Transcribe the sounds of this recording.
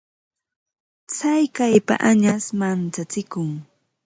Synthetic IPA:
t͡sajkajpa̰ʔaɲasmant͡sat͡sɪkʊŋ

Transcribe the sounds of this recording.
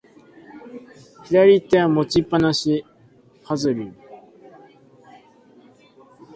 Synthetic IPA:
hiɾaɾʲit̪ːeamot͡ɕipːanaɕi | hazɨɾi

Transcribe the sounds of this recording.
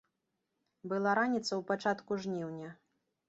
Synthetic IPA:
bɨlˠaɾanʲit̪sɐwpat͡ʂat̪kuʐnʲiwnʲɐ

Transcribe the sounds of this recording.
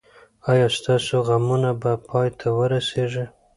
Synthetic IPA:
ɑjɑst̪ɑsoɣamunabapʰɑjt̪ʰawəɾaseʐə

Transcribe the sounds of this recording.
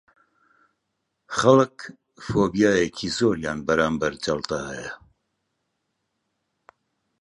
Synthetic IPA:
χɐlɨk | foːbijaːjekʰiːzoːɾjaːnbɐɾaːmbɐɾd͡ʒɐlt̪aːɛjɛ

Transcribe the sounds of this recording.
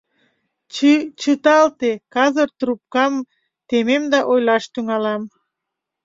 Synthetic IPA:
t͡ʃɨt̪ɑlt̪ekɑzərt̪ɾup̚kɑm | t̪ememd̪ɑʔojlɑʃt̪yŋɑlɑm

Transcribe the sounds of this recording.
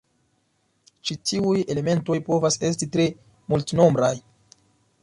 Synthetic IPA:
t͡ʃitiuje̞le̞me̞nto̞jpo̞vase̞s̬titɾe̞ | multno̞mbɾaj

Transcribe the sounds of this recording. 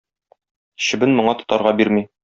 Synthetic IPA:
ɕɘ̆bɘnmŏɴɑt̪ŏ̥t̪ɑɾʁɑbiɾmi

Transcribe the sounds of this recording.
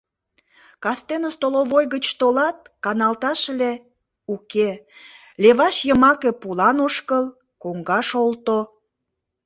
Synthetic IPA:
kɑst̪enəst̪oloβojɣət͡ɕt̪olɑt̪̚kɑnɑlt̪ɑʃle | uke | leβɑʃjəmɑkepulɑnoʃkəl | koŋɡɑʃolt̪o

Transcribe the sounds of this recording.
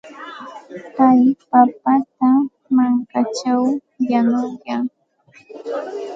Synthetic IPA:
kajpapat̪a | maŋkat͡ʃaw | janʊjaŋ

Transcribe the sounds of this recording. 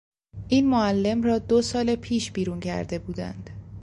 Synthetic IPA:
ʔiːnmoælːe̞mrɒːd̪osɒːlepʰiːʃbiːɾuːncʰæ̰ɾd̪e̞buːd̪æ̰nd̪̥

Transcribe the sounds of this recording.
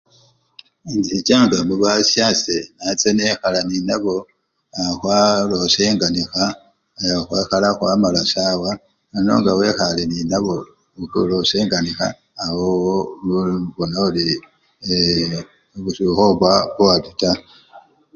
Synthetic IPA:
inzit͡ʃaŋɡamuβasjasenat͡senexalaninaβo̞ | xwalo̞seːŋɡanixa | xwexalaxwamalasawa | ano̞̰ːŋɡawe̞xaleninaβo̞ | kuloseːŋɡanixa̰ː | wowo | βonauli | βusuxoβwaβuwatita

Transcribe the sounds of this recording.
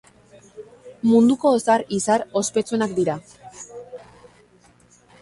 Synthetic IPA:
mund̪uko̞esaɾisaɾo̞spe̞t͡sue̞nakd̪iɾa

